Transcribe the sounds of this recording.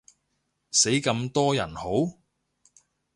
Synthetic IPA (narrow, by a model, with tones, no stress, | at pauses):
se˨˥jkɐ˧mt̪ɔː˥jɐ˨˩nho˨˥w